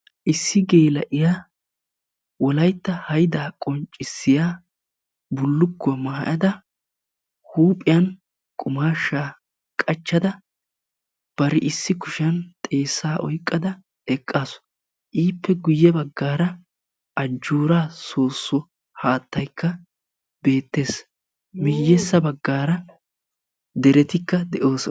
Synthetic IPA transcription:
ʔɪsːɪɡe̞ːlɐʔɪjaː | wɔlɐjt̪ːɐhɐjd̪aːkʼɔnt͡ʃʼːɪsːɪjaː | bʊlːʊkːɔmaːɐ̰ʔɐd̪ɐ | huːpʼɪjɐn | kʼʊmaːʃːaː | kʼɐt͡ʃːɐd̪ɐ | b̥ɐɾɪʔɪsːɪkʊʃɐnt̪ʼe̞ːsːaːʔɔ̰jkʼːɐd̪ɐ | ɛkʼːaːsʊ̥ | ʔiːpːɛɡʊjːɛbɐɡːaːɾɐ | ʔɐd͡ʒːuːɾaːsoːsːɔ | haːt̪ːɐjkːɐ | be̞ːt̪ːe̞ːs | mɪjːɛsːɐbɐɡːaːɾɐ | d̪ɛɾɛt̪ɪkːɐd̪ɛʔo̞ːsɔ

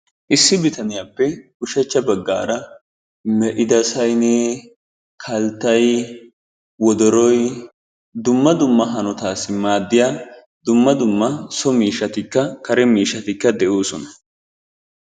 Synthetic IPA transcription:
ʔɪsːɪbɪt̪ɐnɪjaːpːɛ | ʊʃɛt͡ʃːɐbɐɡːa̰ːɾɐ | mɛʔɪd̪ɐsɐjneː | kʰɐlt̪ːɐj | wɔd̪ɔɾɔj | d̪ʊmːɐd̪ʊmːɐɦɐnɔt̪aːsːɪmaːd̪ːɪjaː | d̪ʊmːɐd̪ʊmːɐsɔmiːʃːɐt̪ɪkːɐkɐɾɛmiːʃːɐt̪ɪkːɐd̪ɛʔoːsɔnɐ̥

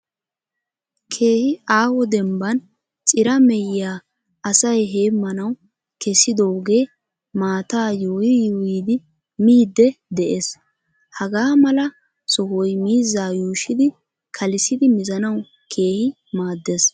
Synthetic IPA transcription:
kʰe̞ːhɪaːwɔd̪ɛmbɐn | t͡sʼɪɾɐmɛjːaː | ɐsɐjɦe̞ːmːɐnɐw | kɛsːɪd̪owɡe̞ː | maːt̪aːjojɪjuiːd̪ɪ | miːd̪ːɛd̪ɛʔes | hɐɡaːmɐlɐ | sɔɦɔjmiːzːaːjuːʃɪd̪ɪ | kʰɐlɪsɪd̪ɪmɪzɐnɐw | kʰe̞ːhɪ | maːd̪ːes

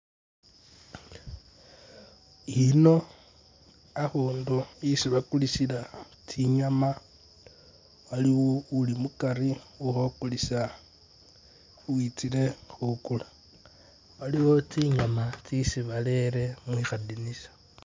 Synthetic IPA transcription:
ino̞ | axoːndoisiβakulisila | tʰiɲama | waliwoulimukaɾiuxokulisa | uwit͡sile̞xukula | waliwo̞t͡siɲamat͡sisiβale̞ɾe̞mwixadinisḁ

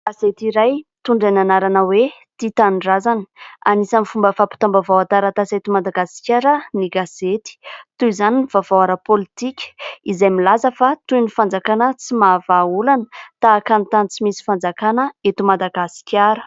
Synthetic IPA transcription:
ɡ̥azet̪iɾajt̪uɳɖ͡ʐananaɾanəwet̪it̪anɳɖ͡ʐazani̥anisamifumbəfapi̥t̪ambavawat̪aɾat̪aset̪umad̪aɡasi̥kʲaɾəniɡazet̪i̥t̪uizaninivavawaɾapolit̪ikʲə̥izajmilazəfat̪ujnifand͡zakanət͡simavaulanət̪aːkanit̪ant͡simisi̥fand͡zakanəet̪umad̪aɡasi̥kʲaɾə̥

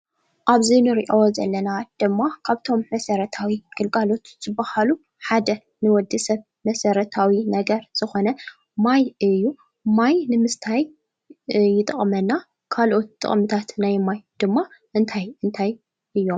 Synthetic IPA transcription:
ʔaβzinɨɾiʔowzɐ̰lːɐnad̪̥ɨmːakʰaβt̪ʰo̞mːɐsɐɾɐt̪ʰawiɡ̥ɨlɡalo̞t̪z̥ɨbːahalu | ħad̪ɐ | nɨwɔd̪ːɨsɐβ | mɐsɐɾɐt̪ʰawinɐɡɐɾz̥ɨxo̞nɐ | majʔɨjːu | majnɨmɨst̪ʰajː | ɪt̪ʼɐ̰χʼmɐnːa | kʰalʔo̞t̪ːʼɨ̰χʼmɨt̪ʰat̪najmajd̪̥ɨmːaʔɨnt̪ʰajɨnt̪ʰaj | ʔɨjːo̞m

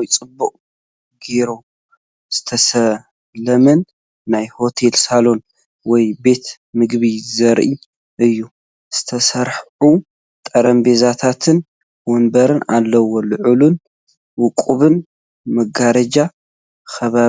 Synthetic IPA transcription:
jt͡sʼɨbːuqʼ | ɡeɾo | z̥ɨ̥t̪ʰɐsɐ | lɐmɐnː | ajho̞t̪ʰe̞lsalo̞n | wɔjbe̞t̪ | mɨɡbizɐɾʔi | ʔɨjːu | z̥ɨt̪ʰɐsɐɾħʕu | t̪ʼɐɾɐmbe̞zat̪ʰat̪ʰɨn | wɔnbɐɾɨnalːɐwolɨʕulun | wʊkʼuβɨn | mɐɡaɾɐd͡ʒa | xɐβa

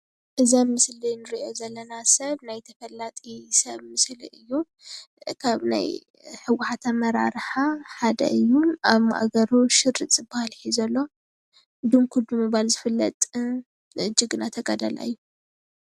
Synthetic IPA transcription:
ʔɨzɐmmɨslinɨɾiʔo̞zɐlːɐnasɐβnajt̪ʰɐfɐlːat̪ʼisɐβmɨslḭʔɨjːu | kʰaβna̰j | ħɨwʊħat̪ʰamɐɾa̰ɾħaħad̪ɐ̰ʔɨjːuaβma̰ʔa̰ɡɐɾuʃɨrɨt̪ʼɨbahalħizɐlːo̞ | d̪umkʰud̪umɨβalzɨfɨlːɐt̪ʼ | ɨd͡ʒɪɡɨnat̪ʰɐɡɐd̪ɐlʔa̰jːu

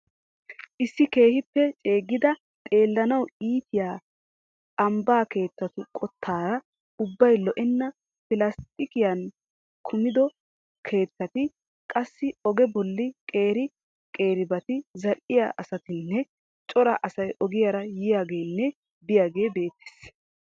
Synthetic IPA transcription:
ʔɪsːɪke̞ːhɪpːɛt͡ʃʼe̞ːɡːɪd̪ɐ | t̪ʼe̞ːlːɐnɐwiːt̪ɪjaː | ɐmbaːke̞ːt̪ːɐt̪ʊkʼɔt̪ʰːaːɾɐ | ʊbːɐjlɔʔɛnːɐ | pɪlɐst̪ʼɪkɪjɐn | kʰʊmɪd̪ɔ | kʰe̞ːt̪ːɐt̪ɪ | kʼɐsːɪɔɡɛbɔlːɪkʼe̞ːɾɪ | kʼe̞ːɾɪbɐt̪ɪzɐlʔɪja̰ʔɐsɐt̪ɪnːɛ | t͡ʃʼɔɾɐ̰ʔɐsɐjʔɔɡɪjaɾɐjɪjaːɡe̞ːnːɛ | bɪjaːɡe̞ːbe̞ːt̪ːe̥s

